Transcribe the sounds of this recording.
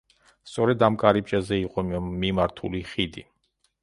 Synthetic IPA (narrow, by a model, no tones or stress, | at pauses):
st̪sʼɔɾɛd̪amkʼaɾip̚ʼt͡ʃʼazɛiqʼɔmimaɾt̪ʰuliχid̪i